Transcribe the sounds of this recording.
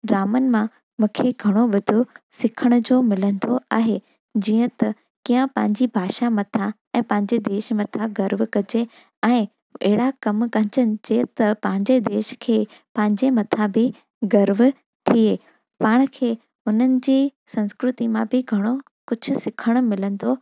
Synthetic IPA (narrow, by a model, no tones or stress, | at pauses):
ɾaːmən̆mã | mũːkʰeɡʱɐɽ̃oɓɐd̪ʱosɪkʰəɽ̃ʊd͡ʑoːmɪlə̃nd̪oa̰ːɦeː | d͡ʑiːə̃t̪ɐ | kiːə̃pɐ̃ɦɪ̃ɲd͡ʑibʱaːʃamɐt̪ʰa | ɛ̃ːpɐ̃ɦɪ̃ɲd͡ʑed̪eːʃmɐt̪ʰaɡɐɾʋkɐd͡ʑe | ɛ̃ː | ɐɦɪɽakɐmkɐ̃ɦɪ̃ɲd͡ʑənɪ̆d͡ʑeːt̪ɐpɐ̃ɦɪ̃ɲd͡ʑed̪eːʃkʰeː | pɐ̃ɦɪ̃ɲd͡ʑemɐt̪ʰabʱɪ | ɡɐɾʋ | t̪ʰieː | paːɽ̃kʰeː | ʊn̤ənɪ̆d͡ʑiːsɐ̃nskɾʊt̪imãbɪɡʱɐɽ̃o | kʊd͡ʑʱʊ̆sɪkʰəɽ̃ʊ̆mɪlə̃nd̪o